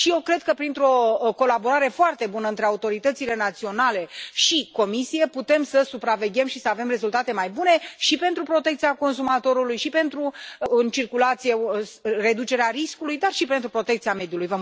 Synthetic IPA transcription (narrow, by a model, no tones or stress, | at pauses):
ʃije̞wkɾe̞d̪̚kəpɾint̪ɾo̞ko̞labo̞ɾaɾe̞foart̪e̞bunəɨnt̪ɾe̞aut̪o̞ɾit̪ət̪sile̞nat̪sio̞nale̞ʃiko̞misije̞put̪e̞msəsupɾave̞ɡʲe̞mʃisəave̞mre̞zult̪at̪e̞majbune̞ʃipe̞nt̪ɾupɾo̞t̪ekt̪iako̞nsumat̪o̞ɾulujʃipe̞nt̪ɾuɨnt͡ʃirkulat̪sijere̞d̪ut͡ʃe̞ɾeaɾiskulujd̪arʃipe̞nt̪ɾupɾo̞t̪e̞k̚t̪siame̞d̪ijulujvə